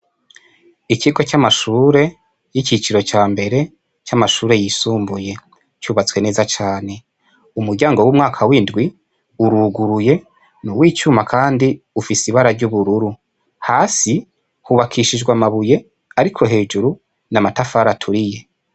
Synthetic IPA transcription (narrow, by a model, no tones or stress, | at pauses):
iciɡo̞t͡ʃamaʃuːɾe̞ | jicit͡ʃiɾo̞t͡ʃaːmbe̞ɾe̞ | t͡ʃamaʃuːɾe̞jisuːmbuje̞ | t͡ʃuːβat͡swe̞ne̞ːzat͡ʃaːne̞ | umuɾɟaːŋɡo̞wumŋaːkʰawiːndɡwi | uɾuɡuɾuje̞ | nuwiːt͡ʃumakʰaːndiufisiβaɾaɾɟuβuɾuɾu | haːsi | huβakʰiʃid͡ʒɡwamaβuje̞ | aɾikʰo̞ɦe̞ːd͡ʒuɾu | namatafaɾatʰuɾije̞